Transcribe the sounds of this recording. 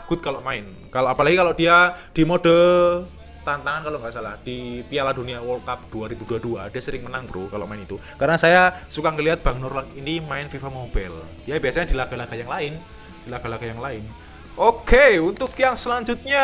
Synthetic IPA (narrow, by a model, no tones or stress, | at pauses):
aɡ̥ʊt̪̚kaloʔmaɪn | kaloʔapalaɡikaloʔd̥iad̥imodə | t̪ant̪aŋankaloʔŋɡaʔsala̰hd̥ipialaduniawəlkap̚d̥uaɾibuduadua̰d̥iasəɾɪŋmənaŋbəɾṵkalo̰ʔmaɪnit̪ukarənasajasukaŋəliɦat̪̚b̥a̤ŋnʊrlakinimaɪnfifamobɛ̰l | d̥ijabiasaɲadilaɡ̥a̤laɡ̥ajaŋlaɪn | d̥ilaɡ̥alaɡ̥ajaŋlaɪn | okeunt̪ʊkjaŋsəlaɲd͡ʒut̪̚ɲa